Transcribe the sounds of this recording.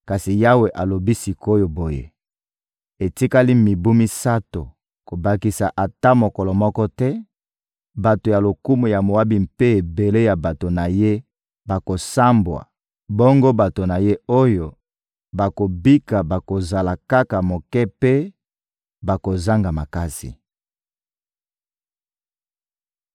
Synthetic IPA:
ka˨si˨ja˦we˨ʔa˨lo˨bi˦si˨ko˦jo˨bo˨jḛ˨ | e˨ti˦ka˦li˦mi˨bu˦mi˦sa˦to˨ | ko˨ba˨ki˨sa˨ʔa˨ta˦mo˨kɔ˨lɔ˨mɔ˦kɔ˦tɛ˦ | ba˨to˨ja˨lo˨ku˦mo˨ja˨mo˨wa˦bi˨mpe˦e˨be˨le˦ja˨ba˨to˨na˨je˦ | ba˨ko˨sa˦mbwa̰˨ | bɔ˦ŋɡo˦ba˨to˨na˨je˦o˦jo˨ | ba˨ko˨bi˦ka˨ba˨ko˨za˨la˨ka˦ka˨mo˨kɛ˦pe˦ | ba˨ko˨za˦ŋɡa˨ma˨ka˦sḭ˨

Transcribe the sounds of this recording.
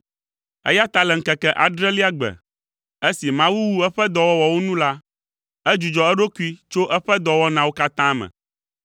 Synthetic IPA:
ɛ̰˦ja˦t̪a˨lɛ˨ŋ̩˦kɛ˨kɛ˦˨ʔa˨ɖɾɛ˦li˦a˦ɡ͡bɛ̰˨ | e˦si˨mã˦wu˦wu˦ɛ˦ɸɛ˦d̪ɔ˨wɔ˦wɔ˨wo˦nũ˦la˦ | ɛ˦d͡ʒu˨d͡ʒɔ˨ɛ˦ɖo˦ku˦i˦t͡ʃo˦ʔɛ˦ɸɛ˦d̪ɔ˨wɔ˦nã˨wo˦ka˦t̪ã˦mɛ̰̃˨

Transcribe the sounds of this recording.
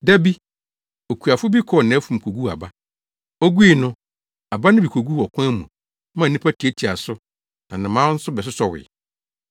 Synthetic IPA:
dæ˦bi˦ | o˨kʰu˨a˨fʊ˦bi˦kʰɔ˨nã˨˦fũ˨m̩˨kʰo˨ɡu˦a̰˨ba˦ | ɔ˦ɡu˦i˨nʊ̃˦ | a˨ba˦nɪ̃˦bi˨kʰo˨ɡu˦ɔ˨kʷʰã˦mũ˨ | mã˦˨nĩ˦pʰæ˦tʰi˨e˦tʰi˨a˨sʊ˦ | nã˨nɪ̃˨mãː˦n̩˦sʊ˦bɛ˨s̬ʊ˦sɔ˨wɪ̰˨

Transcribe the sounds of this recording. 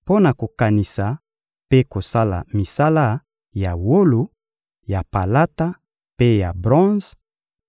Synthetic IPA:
po˦na˨ko˨ka˨ni˨sa˨ | pe˦ko˨sa˦la̰˨mi˨sa˦la˦ | ja˨wo˦lo˨ | ja˨pa˨la˦ta˦ | pe˦ja˨bʁɔ̃˦z

